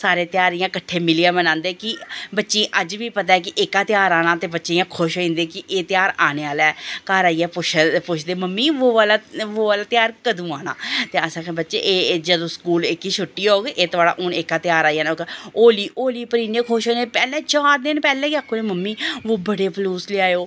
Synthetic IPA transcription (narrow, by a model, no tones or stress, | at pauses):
saːɾeːt̪ɪjaːɾijãːkəʈʰːeːmɪliaːmənãːnd̪eːkɪbətːʃĩːʔəd͡ʒʋiːpət̪̬aːɛːk̬ɪʔɪkaːt̪ɪjaːɾaːnãːt̪eːbətːʃeːãːkʰʊʃɦoːĩːnd̪eːkɪʔeːt̪ɪjaːɾaːneːaːlɛːkəɾaːiːɛːpʊt͡ʃʰpʊt͡ʃʰd̪eːməmːiːʋoːʋaːlaːʋoːʋaːlaːt̪ɪjaːɾkəd̪ũːaːna̰ːt̪eːəsãːkbətːʃeːʔeːd͡ʒəd̪õːskuːlɪkiːt͡ʃʰʊʈːiːoːɡeːʔeːt̪ʊaːɽa̰ːʔʊnekaːt̪ɪjaːɾaːijaːnokoːliːʔoːliːpəɾĩːneːkʰʊʃɦoːĩːnepɛːlɛ̃ːt͡ʃaːɾd̪ɪnpɛːlɛ̃ːkiaːkʰːoːnẽːməmːiːʋoːbəɽeːpluːsleːaːjoː